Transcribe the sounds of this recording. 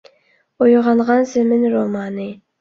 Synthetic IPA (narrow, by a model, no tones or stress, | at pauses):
ojʁɑlˠʁɑnsɪmɪnɾomɑnɨ